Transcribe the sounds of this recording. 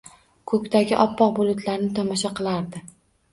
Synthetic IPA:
kʰɵkʲt̪ʰaɡʲɪʔɒpːɒq̚bʊlˠʊt̪ʰlaɾnɪt̪ʰɒmɒʃ̬aqɨlˠaɾd̪ɪ

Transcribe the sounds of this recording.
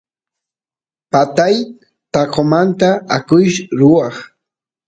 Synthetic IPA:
pat̪aj | t̪ɑqʰomant̪aakʊjʃɾʊwɑχ

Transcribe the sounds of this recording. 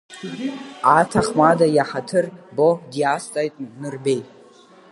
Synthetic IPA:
atʰaχmadajaħatʰɨrbodiastʼajtʼnnɨrbejtʼ

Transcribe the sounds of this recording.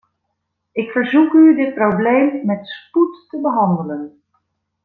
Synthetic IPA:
ɪkfəɹzukydɪt̚prowblejmːɛtsputtəbəɦɑndələn

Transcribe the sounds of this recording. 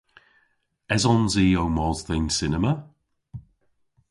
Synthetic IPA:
ɛzɔnziːowmɔzðɛnsɪnəmə

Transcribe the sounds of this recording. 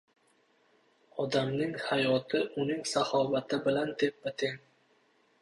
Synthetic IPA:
ɒd̪amnɪŋhajɒt̪ʰɪʔʊnɪŋsahɒvat̪ʰɪbɪland̪e̞p̚bɪt̪ʰɪŋ

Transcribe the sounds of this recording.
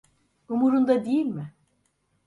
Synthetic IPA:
umuɾund̪ad̪ejilʲmɪ

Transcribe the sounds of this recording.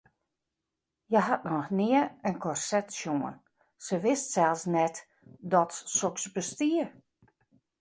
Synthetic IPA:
jəɦat̚nɔxnɪəənkʰɔrsɛtsjoən | səʋɪstsɛlˠsnɛt | dɔtsoksbəstiə

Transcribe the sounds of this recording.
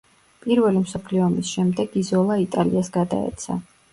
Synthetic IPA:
pʼiɾvɛlimsɔpʰliɔmisʃɛmd̪ɛɡ̥izɔlˠait̪ʼaliasɡad̪a̰ɛ̰t̪sʰa̰

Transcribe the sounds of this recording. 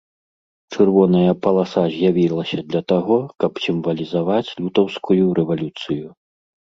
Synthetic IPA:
t͡ʂɨrvɔnɐjɐpɐlˠasazʲjavʲilˠɐsʲɐd̪lʲɐt̪aɣɔkɐpsʲimvɐlʲizavat͡sʲlʲut̪ɐwskujuɾɛvalʲut̪sɨju

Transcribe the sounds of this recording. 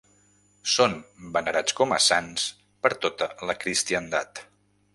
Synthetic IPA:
sonbənəɾat͡skɔmə̰sans | pəɾt̪ot̪ələkɾist̪iənd̪at̪

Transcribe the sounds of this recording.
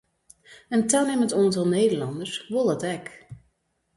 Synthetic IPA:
əntɛlˠneməntɔnətolˠnejdərlɑndəɹsʋolˠɔtɛk

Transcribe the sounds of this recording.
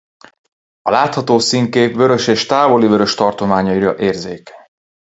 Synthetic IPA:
ɒlaːt̪hɒt̪oːsiŋkeːpvø̞ɾø̞ʃeːʃt̪aːvo̞livø̞ɾø̞ʃt̪ɒrt̪o̞maːɲɒiɾɒʔeːrzeːk

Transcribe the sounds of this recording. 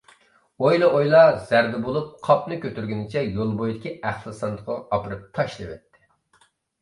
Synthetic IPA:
ojlˠɨʔojlˠɑz̥æɾd̪ɛbolˠup̚qʰɑpnɨkʲøt̪yɾɡʲynɪt͡ʃʰɛjolˠbojd̪ɪkʲiæχlˠɨsɑnd̪əqʰɑɑpɨɾɨp̚t̪ʰɑʃlˠɨwɛ̰t̪ːɪ̥

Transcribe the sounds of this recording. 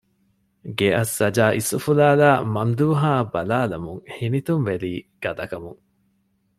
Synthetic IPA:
ɡeɐsːɐd͡ʒaːʔisufulaːlaːmɐmd̪uːɦaːbɐlaːlɐmuŋhinit̪umʋeɾiːɡ̥ɐd̪ɐkɐmuŋ

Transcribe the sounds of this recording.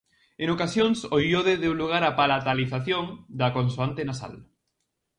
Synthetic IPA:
eŋokasjoŋsoʎoðeðeuwluɣ̞aɾapalat̪aliθaθjoŋd̪ɐkonsuant̪enasa̰l

